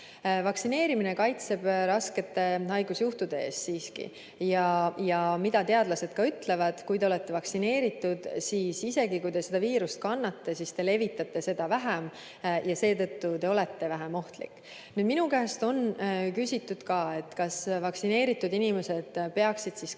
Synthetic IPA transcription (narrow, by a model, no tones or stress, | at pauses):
vɑksine̞ːɾimine̞kɑjt̪se̞b̥ɾɑske̞t̪ːe̞hɑjɡ̥usjuht̪ud̪e̞e̞ːst̪siːskḭ | jɑjɑmid̪̥ɑt̪e̞ɑd̪̥lɑse̞d̪̥kɑyt̪ːˑle̞vɑd̪̥kujd̪e̞o̞le̞t̪ːˑe̞vɑksine̞ːɾit̪ːud̪̥siːsise̞ɡikujd̪e̞se̞d̪̥ɑviːɾust̪̚kɑnːɑt̪ːe̞sist̪e̞le̞vit̪ːˑɑt̪ːe̞se̞d̪̥ɑvæɦæm | jɑse̞ːt̪ɤ̞t̪ːut̪e̞o̞le̞t̪ːe̞væɦæmo̞ht̪lḭkːˑ | nyːd̪minukæːst̪o̞nkysʲit̪ːud̪̥kɑːe̞t̪ːkɑsvɑksine̞ːɾit̪ˑːud̪inime̞se̞d̪̥pe̞ɑksid̪̥sis